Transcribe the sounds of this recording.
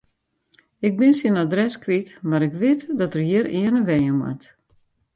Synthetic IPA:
ɪk̚bɪnsinadrɛskʋitmaɾɪkʋɪtdɔtərjiəɾɪənəʋɛjəmwa̰t

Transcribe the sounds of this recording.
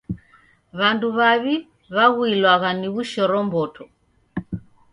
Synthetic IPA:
βanduβaβi | βaɣuilwaɣaniβuʃɔɾɔmbɔtʰɔ

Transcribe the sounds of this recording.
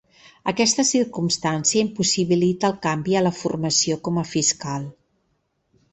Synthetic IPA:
əkɛst̪əsiɾkumst̪ansiəimpusiβilit̪əːlˠkambiələfurməsiokɔməfiskalˠ

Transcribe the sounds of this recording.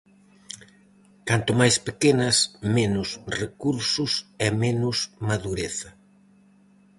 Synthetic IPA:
kant̪ʊmajspekenɐsmenʊsrekuɾsʊsɛmenʊsmaðuɾeθɐ

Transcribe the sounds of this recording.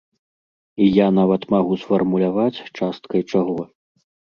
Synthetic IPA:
ijanavɐt̪maɣusfɐrmulʲavat͡sʲt͡ʂast̪̚kɐjt͡ʂaɣɔ

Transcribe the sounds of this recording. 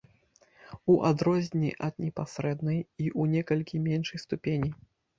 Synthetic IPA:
uʔad̪ɾɔzʲnʲiʔɐd̪nʲɛpasɾɛd̪nɐjiʔunʲɛkɐlʲkʲimʲɛnʂɐjst̪upʲenʲi

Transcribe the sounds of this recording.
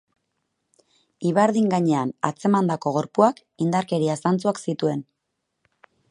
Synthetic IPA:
iβaɾðiŋɡaɲe̞ana̰t͡se̞mand̪ako̞ɣ̞o̞ɾpuak | ind̪aɾke̞ɾiasant͡suaksit̪ue̞n

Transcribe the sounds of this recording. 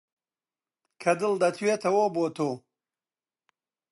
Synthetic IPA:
kʰɐd̪ɨld̪ɐt̪ʰɥet̪ʰɐwoboːt̪ʰoː

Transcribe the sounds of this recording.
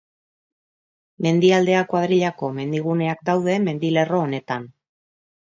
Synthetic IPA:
me̞nd̪iald̪e̞akwað̞ɾiʎako̞me̞nd̪iɣ̞une̞ak̚d̪awðe̞me̞nd̪ile̞ro̞ːne̞t̪an

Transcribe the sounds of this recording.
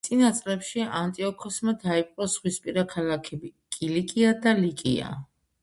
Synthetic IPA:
t̪sʼinat̪sʼlɛpʃiant̪ʼiɔkʰɔsmad̪aipʼqʼɔsχwispʼiɾakʰalakʰɛbikʼilikʼiad̪alikʼḭa̰

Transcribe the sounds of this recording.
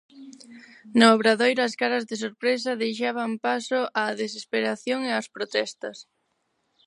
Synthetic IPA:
nooβɾaðojɾɐskaɾɐzðesoɾpɾesɐðejʃ̬aβ̞ɐmpasʊʔaːðes̬espeɾaθjoŋeɐspɾot̪ɛst̪ɐs

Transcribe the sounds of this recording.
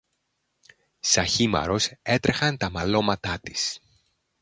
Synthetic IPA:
sɐçimɐ̰ɾo̞se̞t̪ɾexɐnt̪ɐmɐlo̞mɐt̪ɐt̪i̥s

